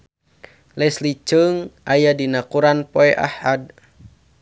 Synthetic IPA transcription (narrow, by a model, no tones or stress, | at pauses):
lɛslit͡ʃəŋʔajadinakuɾanpoɛʔa̰had̚